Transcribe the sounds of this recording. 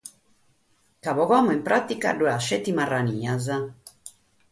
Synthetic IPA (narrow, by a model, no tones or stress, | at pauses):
kaβɔɣamuimpɾat̪ika̰ɖuɛaʃɛt̪ːimarːaniːaza